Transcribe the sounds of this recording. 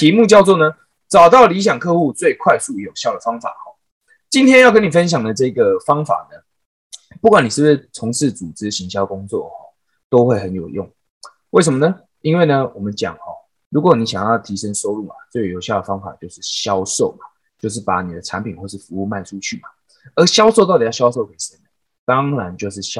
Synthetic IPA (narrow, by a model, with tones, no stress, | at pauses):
t̪ʰi˨˥mu˥˧t͡ɕjɑ˥˧ʊt͡swɔ˥˨nə˩ | t͡sɑ˨˩ʊt̪ɑ˥˩ʊli˧˥ɕ̬jɑ˨˩ŋkʰɤ˥˧xu˥˧t͡swe˥˧ɪkʰwa˥˧ɪsu˥˩˨jo˨˩ʊɕjɑ˥˩ʊd̪ə˨˩fɑ˥ŋfa̰˨˩xɔ˨˩ | t͡ɕi˦nt̪ʰjɛ˥njɑ˥ʊk̬ə˥ni˨˩fə˦nɕ̬jɑ˨˩ŋd̪ə˩ʈ͡ʂɤ˥˧˩i˦ɡə˨fɑ˥ŋfa̰˨˩nə˦ | pu˥˩kwa˨˦ni˨˩ʂ̩˥˩˥t͡sʰo˧˥ŋʂɻ̩˥˩t͡su˨˩ʈ͡ʂɻ̩˥ɕi˧˥ŋɕjɑ˥ʊkʊ˥ŋt͡swɔ̰˥˨hɔ˨˩ | t̪o˥ʊxwe˥˩ɪxə˧˦njo˨˩ʊjʊ̰˥˩ŋ | we˥˩ɪʂ̬ə˨˩mə˧nə˨ | i˥nwe˥˩ɪnə˩wɔ˨mə˨˦nt͡ɕjɑ̰˨˩ŋhɔ̰˨ | ɻu˧˥kwɔ˨˦ni˨˦˥ɕjɑ˨˩ŋjɑ˥˩ʊt̪ʰi˧˥ʂə˦ŋʂo˥ʊlu˥˩ma˨t͡swe˥˩˨jo˨˩ʊɕjɑ˥˩ʊd̪ə˩fɑ˥ŋfa̰˨˩t͡ɕjo˥˧ʊʂɻ̩˥˩ɕjɑ˦ʊʂo˥˩ʊma˨˩ | t͡ɕjo˥˧ʊʂ̬ɻ̩˥˩pa̰˧˥˦ni˨˩d̪ə˦ʈ͡ʂʰa˧˦npʰi˨nxwɔ˥˧˩ʂɻ̩˥˩fu˧˦u˥˧ma˥˩ɪʈ͡ʂʰu˦t͡ɕʰy˥˩ma˨˩ | ə˧˥ɕjɑ˥ʊʂo˥˧t̪ɑ˥˩t̪i˨jɕjɑ˥ʊʂ̬o˥˩ʊke˨˥˩ɪ˨ʂə˥˩na˩ | t̪ɑ˦ŋɻa˧˦nt͡ɕjo˥˧ʊʂɻ̩˥˩ɕ